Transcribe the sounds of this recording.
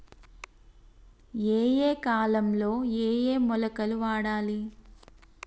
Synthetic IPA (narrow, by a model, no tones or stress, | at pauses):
eːjeːkaːlɐmlo̞ːeːjeːmɔlɐkɐluʋaːɽaːli